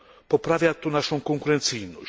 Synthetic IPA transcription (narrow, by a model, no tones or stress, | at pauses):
pɔpɾavjat̪unaʃkõkõŋkuɾẽnt̪sinu